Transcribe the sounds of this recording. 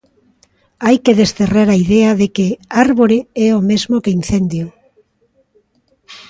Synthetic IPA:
ajkeðest̪ereɾaiðɛaðekeaɾβoɾeɛomezmokein̟θend̪jo

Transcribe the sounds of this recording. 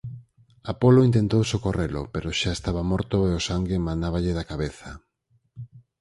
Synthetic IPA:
apoloint̪ent̪owsokorelʊ̰peɾoʃaest̪aβamɔɾt̪oeosaŋɡemãnd̪aβaʎeðakaβeθa

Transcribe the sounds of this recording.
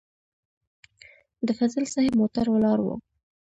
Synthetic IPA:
d̪əfazəlsahemot̪aɾwalɑɾwo̰

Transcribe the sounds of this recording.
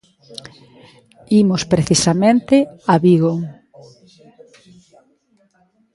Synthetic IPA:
imoʊspɾeθisamẽnt̪eaβiɣoŋ

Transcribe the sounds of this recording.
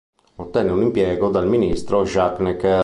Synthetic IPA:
ot̪ːɛnːeunimpjɛːɡɔd̪alminist̪ɾɔʒakːnɛk

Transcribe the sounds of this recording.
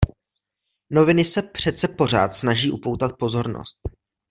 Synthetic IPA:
no̞vɪnɪsɛpr̝̥ɛt̪t͡sɛpo̞r̝a̰ːt̪snaʒiːʔupo̞wt̪at̪̚po̞zo̞ɾno̰st̪̚

